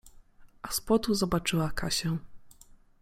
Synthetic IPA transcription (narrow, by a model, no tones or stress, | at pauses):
aspɔt̪uzɔbat͡ʂɘwakaɕɛ